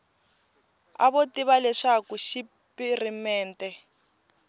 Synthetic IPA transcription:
a̰βotiβalɛʂakuʃi | pirimɛːntɛ

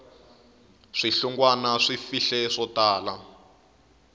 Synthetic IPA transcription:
ʂiɬuŋɡwanaʂifiɬɛʂɔtaːla

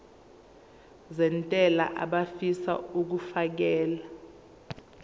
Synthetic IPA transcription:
zɛntʼɛla̰ʔaɓafisa̰uk̬ufak̬ɛːla

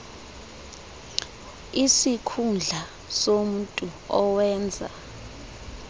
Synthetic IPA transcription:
isikʰund͡ɮʱa | som̩tʼuɔwɛːnd͡zʱa̰

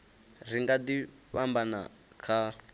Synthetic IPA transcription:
riŋɡadi | ɸambana̰ | kʰa

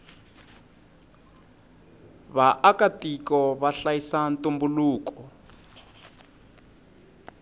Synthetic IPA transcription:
βaʔakatikɔβaɬajisantumbuluːkɔ

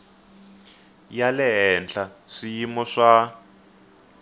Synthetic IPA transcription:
jalɛɦɛnd͡ɮaʂijimɔʂa

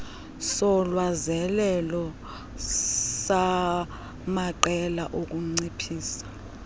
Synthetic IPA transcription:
sɔlwazɛlɛlɔ | sa | maǃɛla̰ʔok̬ʼuŋ͡ǀipʰiːsḁ

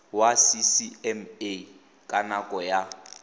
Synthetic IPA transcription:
wasisiɛme | kʼanakʼɔja

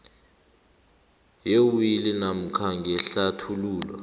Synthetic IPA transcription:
jewilinam̩kʰaŋɡʱɛɬatʰuluːla̰

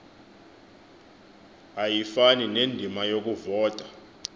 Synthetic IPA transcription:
ajifaninendʱimajok̬ʼuvɔːtʼḁ

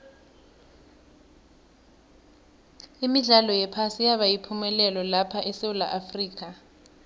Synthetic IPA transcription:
imiɮalɔjɛpʰasijaɓajipʰumɛlɛlɔlapʰaʔɛsewula̰ʔafriːk̬ʼa

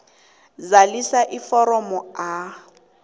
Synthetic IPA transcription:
zalisaʔifɔɾɔmɔa

